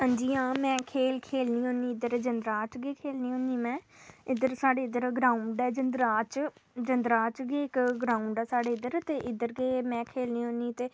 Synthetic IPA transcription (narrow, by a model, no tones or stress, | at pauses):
ɦə̃ːnd͡ʒiːãːmɛ̃ːkʰeːlkʰeːlniːɦõːniːɪd̪əɾd͡ʒənd̪ɾaːt͡ʃɡeːkʰeːlniːɦõːniːmɛ̃ː | ɪd̪əɾsaːɖeːɪd̪əɾɡɾãːuɳɖɛːd͡ʒənd̪ɾaːt͡ʃd͡ʒənd̪ɾaːt͡ʃɡeːɪkɡɾãːuɳɖɛːsaːɽeːɪd̪əɾt̪eːʔɪd̪əɾɡeːmɛ̃ːkʰeːlniːɦõːniːt̪eː